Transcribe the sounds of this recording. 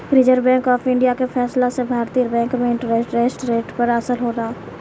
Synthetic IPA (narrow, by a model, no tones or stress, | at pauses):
ɾɪd͡ʒəɾbɛ̃ːŋkɔːfʰɪ̃ɳɖijakefʰɛːslasebʱaːɾt̪ijəɾbɛ̃ːŋkmẽɪ̃ɳʈɾeːsʈɾeːsʈɾeːʈpəɾɐsəlɦoːɾaɦaː